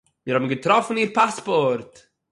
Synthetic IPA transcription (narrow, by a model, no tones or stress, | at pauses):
jəɾhabən̩ɡətɾɔfn̩iːɾpaspɔɾt